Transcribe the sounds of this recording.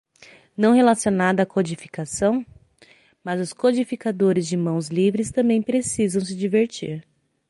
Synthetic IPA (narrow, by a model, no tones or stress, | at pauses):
nɐ̃w̃ɦelasjonad̪ɐakod͡ʒifi̥kasɐ̃w̃ | mazʊskod͡ʒifikad̪oɾɪzd͡ʒɪmɐ̃w̃zlivɾɪst̪ɐ̃mbẽj̃pɾesizɐ̃w̃s̬ɪd͡ʒiveɾt͡ʃiɾ